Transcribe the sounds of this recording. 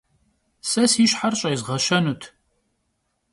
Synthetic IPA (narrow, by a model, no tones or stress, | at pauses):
sɐsiɕħarɕʼɐjzʁɐʃɐnut̪ʰ